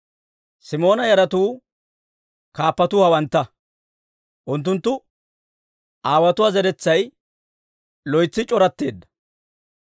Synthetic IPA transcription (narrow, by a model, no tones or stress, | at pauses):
sɪmo̞ːnɐjɐɾɐt̪uː | kaːpːɐt̪ʊːhɐwɐnt̪ːɐ | ʔʊnt̪ːʊnt̪ːʊ | ʔaːwɐt̪ʊwazɛɾɛt͡sːɐj | lɔjt͡sːɪt͡ʃʼɔɾɐt̪ːe̞ːd̪ːɐ̥